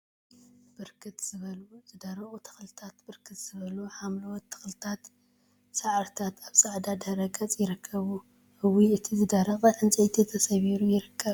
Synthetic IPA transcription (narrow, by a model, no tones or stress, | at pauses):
b̥ɨɾkʰɨt̪z̥ɨβɐzɨd̪aɾɐχʼut̪ʰɐ̥xlɨt̪ʰat̪bɨɾkʰɨt̪z̥ɨβɐluħamlɐwɔt̪ʰːɐ̥xlɨt̪ʰat̪ | saʕaɾt̪ʰat̪aβsʼaʕd̪ad̪ɐɾɐkʼɐt͡sʼjɪɾɨkʰːɐβu | hɨwiɨt̪ʰizɨd̪aɾɐχʼɨʕɨnt͡sʼit̪ʰet̪ʰɐsɐβiɾujɪɾɨkʰːɐβ